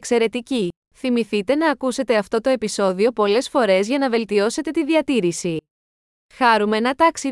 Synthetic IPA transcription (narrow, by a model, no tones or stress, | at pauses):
kse̞ɾe̞t̪ici | θimiθit̪e̞nɐːkuse̞t̪e̞ɐft̪o̞t̪o̞e̞piso̞ðio̞po̞le̞sfo̞ɾe̞zʝɐnɐve̞lt̪io̞se̞t̪e̞t̪iðiɐt̪iɾisi | xɐɾume̞nɐt̪ɐksi